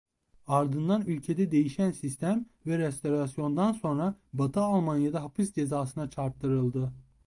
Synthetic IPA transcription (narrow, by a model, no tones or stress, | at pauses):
aɾd̪ɯnd̪anylʲcʰe̞d̪ɛd̪e̞jiʃænsist̪ʰæm | vɛɾɛst̪ʰo̞ɾasjo̞nd̪anso̞nɾabat̪ʰɯaːlˠmanjad̪aɦapɯsd͡ʒe̞zaːsɯnat͡ʃʰaɾpt̪ʰːɯɾɯlˠd̪ɯ